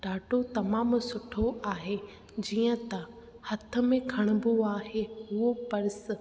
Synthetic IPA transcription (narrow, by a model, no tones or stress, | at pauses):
ɖaːʈot̪ɐmaːmsʊʈʰoʔaːɦe | d͡ʑiːə̃t̪ɐ | hɐt̪ʰə̆mẽkʰɐɽ̃ʊboaːɦeɦʊopɐɾɪs̆